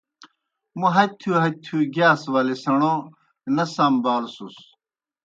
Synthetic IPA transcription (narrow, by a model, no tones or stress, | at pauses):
muɦɐt̪ʰuɦɐt̪ʰuɡaːswaːlisɐɳo | nɐsambaːlsus